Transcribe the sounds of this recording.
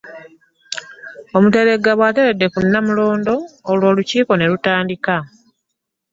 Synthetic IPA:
o̞mute̞ɾe̞ɡːaβwate̞ɾe̞dːe̞kunːamulo̞ːndo̞ːlwo̞ːluciːko̞ne̞ɾutaːndika

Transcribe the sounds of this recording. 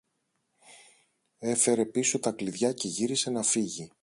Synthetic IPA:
e̞fe̞ɾe̞piso̞t̪ɐkliðʝɐce̞ʝiɾise̞nɐfiʝi

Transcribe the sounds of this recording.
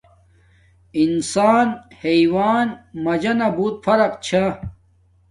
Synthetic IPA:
insaːnheiwaːnmɐd͡ʑɐnɐbuːt̪̚fɐɾɐqt͡ɕʰa

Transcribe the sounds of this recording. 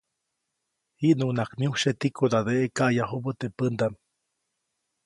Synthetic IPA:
hiʔnuʔnakmiuʃet̪ikʰod̪ad̪eʔekaʔjaɦobət̪epənd̪am

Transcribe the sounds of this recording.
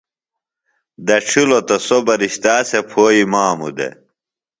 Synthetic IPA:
d̪ɐʈ͡ʂʰilot̪ɐsobɐɾiɕt̪aːsepʰoːimaːmṵd̪ḛ

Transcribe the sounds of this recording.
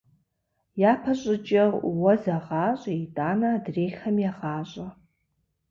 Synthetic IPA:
jaːpʰɐɕʼɪt͡ʃʼɐwɔzɐʁɑːɕʼiːdʼaːnaːdreːxɐmjaʁɑːɕʼɐ

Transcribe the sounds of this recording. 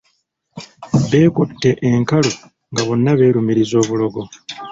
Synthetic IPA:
βe̞ːkutːe̞ʔeŋkalo | ŋɡaβo̞nːaβe̞ːɾumiɾizo̞ːβulo̞ɡo̞

